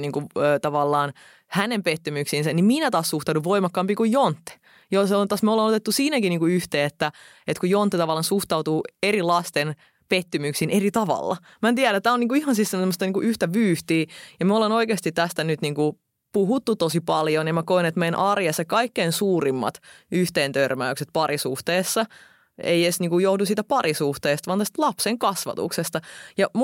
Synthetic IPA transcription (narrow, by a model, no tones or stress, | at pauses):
niːŋkuøːt̪ɑʋɑlːɑːn | hænempet̪ːymyksiːnsænimminæt̪ɑːssuht̪ɑuduʋoimɑkːɑmpikujjont̪ːe̥ | joseont̪ɑsmiolenot̪et̪ːusiːnækiniːŋkuyht̪eːet̪ːæ | et̪kujont̪ːet̪ɑʋɑlːˑɑnsuht̪ɑut̪uːerilɑst̪en | pet̪ːymyksiːnʔerit̪ɑʋɑ̰lːɑ̰ | mænt̪iæɾæt̪æːoniːŋkuihɑnsisseemːost̪ɑniːŋkuʔyht̪æʋyːht̪iːjɑmæolenoikeːst̪it̪t̪æst̪ænyt̪niːŋku | puɦut̪ːut̪osipɑljonjɑmækoinet̪meːnʔɑrjesekɑikːeːnsuːrimːɑ̰t̪yht̪eːnt̪ørmæykset̪̚pɑrisuht̪eːsːɑ | ḛijesniːŋkujohdusiːt̪æpɑrisuht̪eːst̪ɑʋɑːnt̪æst̪lɑpseŋkɑsʋɑ̰t̪ṵksest̪ɑjɑmu